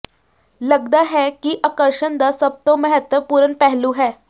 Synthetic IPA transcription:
ləɡd̪aɦɛkiʔakəɾʂənd̪asəb̚t̪oməɦət̪ʋəpuɾənpɛɦluɦɛ

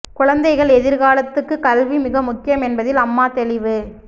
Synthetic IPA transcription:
kʊɻɐnd̪ɐɪɣɐɭɛðɪɾɣaːlɐt̪ːɯkːɯkɐlʋimɪɣɐmʊkːɪjɐmɛnbɐðɪlɐmːaːt̪ɛlɪʋɯ

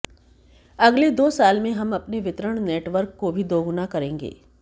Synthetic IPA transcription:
ɐɡled̪oːsaːlmẽɦɐmɐpneʋɪt̪ɾəɽ̃neːʈʋəɾkːobʱid̪oːɡʊnakɐɾẽːŋɡḛː

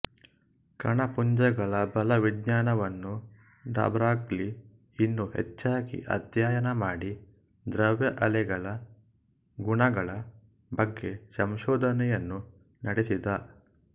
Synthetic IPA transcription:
kɐɳɐpuɲd͡ʒɐɡɐɭɐbɐlɐʋid̪ɲaːnɐʋɐnːu | ɖa̰ːbɾaːɡli | inːuɦɛ̰t͡ʃːaːɡḭʔɐ̰d̪jaːjɐnɐmaːɽi | d̪ɾɐʋjɐʔɐlɛɡɐɭɐ | ɡuɳɐɡɐɭɐ | bɐɡːe̞sɐmʃɔːd̪ʱɐnɛjɐnːu | nɐɽesid̪ɐ

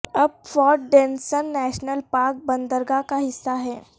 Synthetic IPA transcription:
ɐb̚fɔːɾ̚ɖẽːnsənːɛːʃnəlpaːɾk̚bɐ̃nd̪əɾɡakaɦɪsːaɦɛː

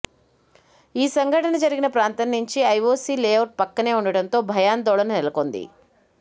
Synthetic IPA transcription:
iːsɐŋɡʱɐʈɐnɐd͡ʒɐɾiɡinɐpɾaːnt̪ɐnːuɲt͡ʃiɐjoːsiːleːʋɐɾ̚pɐkːɐne̞ːuɳɖɐɽɐnt̪o̞ːbʱɐjaːnd̪ɔːɭɐnunelɐko̞nd̪ḭ

